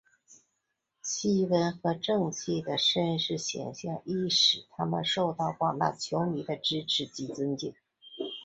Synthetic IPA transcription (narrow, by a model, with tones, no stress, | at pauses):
ɕi˥wə˥nxɤ˧˥ʈ͡ʂɤ˥˧ŋt͡ɕʰi˥˩d̪ə˩ʂə˥nʂɻ̩˥˩ɕjɛ̰˨˩nɕjɑ˥˧ŋʔi˥˩ʂɻ̩˨˩t̪ʰa˥mə̰˨nʂo˥˧ʊt̪ɑ˥˩ʊkwɑ˨˩ŋt̪a̰˥˩t͡ɕʰjo˧˥ʊni˨˩d̪ə˧ʈ͡ʂɻ̩˥ʈ͡ʂʰɻ̩˧˥t͡ɕi˧˥t͡sə˥ŋt͡ɕi˥˩ŋ